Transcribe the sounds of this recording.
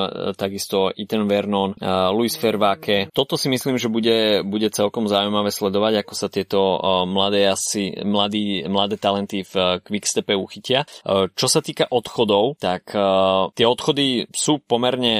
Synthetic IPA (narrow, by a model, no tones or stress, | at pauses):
t̪aɡist̪ɔʔit̪ɛnʋɛɾnɔnluisfɛɾʋakɛt̪ɔt̪ɔsimisliːmʒɛbuɟɛbuɟɛt͡sɛlkɔmzaujmaʋɛːslɛd̪ɔʋaɟakɔsat̪ɪɛt̪ɔmlad̪ɛːasḭmlad̪iːmlad̪ɛːt̪alɛnt̪ifkʋikst̪ɛpɛuxicɪat͡ʃɔsat̪iːkaʔɔt̪xɔd̪ɔʊt̪akt̪ɪɛɔt̪xɔd̪isuːpɔmɛɾɲɛ